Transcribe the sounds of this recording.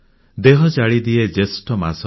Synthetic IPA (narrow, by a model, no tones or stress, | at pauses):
d̪eɦɔt͡ʃaɭid̪ied͡ʒesʈɔmasɔ